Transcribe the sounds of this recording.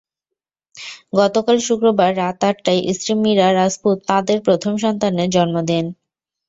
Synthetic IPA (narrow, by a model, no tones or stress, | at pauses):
ɡɔt̪okalʃukɾobaɾːat̪aʈʈajʔisɾimːiɾaɾasput̪ːãd̪eɾpɾot̪ʰomʃɔnt̪aned͡ʑɔnmod̪en